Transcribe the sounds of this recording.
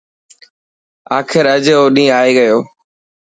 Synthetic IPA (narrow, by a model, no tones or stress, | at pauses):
aːkʰɪɾɐd͡ʑoːɗĩːaːeɡɐjoː